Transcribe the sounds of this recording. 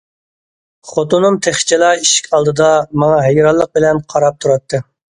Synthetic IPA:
χot̪unumt̪ʰeχt͡ʃʰɛlˠɑiʃi̥kʲʰɑlˠd̪ɨd̪ɑmɑŋɑɦɛjɾɑlˠːəq̚bɪlɛnqʰɑɾɑp̚t̪ʰuɾɑt̪ʰːɨ

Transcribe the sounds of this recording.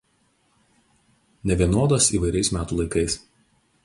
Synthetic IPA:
nʲɛʋʲiɛnoːd̪ɐsiːˑʋɐɪɾʲɛɪsmʲæːt̪uːlˠɐɪkɐɪs

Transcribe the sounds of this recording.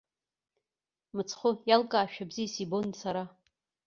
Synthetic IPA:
mɨt͡sʰχʷʊjalkʼaːʃᶣabziːsibonsaɾa

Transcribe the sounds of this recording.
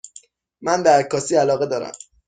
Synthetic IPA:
mænd̪æɾkʰɒːsiːælɒːɣe̞d̪ɒːɾæ̰m

